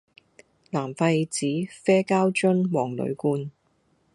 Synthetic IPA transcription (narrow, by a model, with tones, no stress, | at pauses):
laː˨˩mfa˧t͡siː˨˥fɛː˥kaː˥wt͡ʃɵ˥nwɔː˨˩ŋlɵ̰˨˧ɥkuː˧n